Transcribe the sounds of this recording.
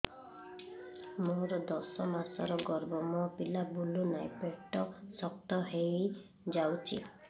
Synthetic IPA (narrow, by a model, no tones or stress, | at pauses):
moɾɔd̪ɔsɔmaɾsɔɾɔɡɔɾbɔmɔpilabulunajpeʈːɔsɔk̚t̪ɔɦej | d͡ʒawt͡ʃʰḭ